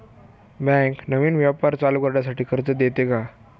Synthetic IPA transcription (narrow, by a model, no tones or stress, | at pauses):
bɛ̃ŋknəʋiːnʋjapaɾt͡saluːkəɾɳjasaʈʰiːkʰəɾt͡səd̪et̪eka